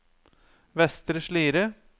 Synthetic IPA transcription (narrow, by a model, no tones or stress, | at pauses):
ʋɛst̪ɾəʂɭiːɾə